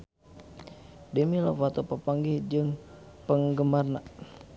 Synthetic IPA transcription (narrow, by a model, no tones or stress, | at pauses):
dəmilofat̪opəpaŋɡihd͡ʒɨŋ | pəŋɡəmarna